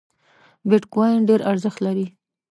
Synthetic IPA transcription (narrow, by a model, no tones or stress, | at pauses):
bɪʈkajnɖeɾʔaɾzəxt̪laɾi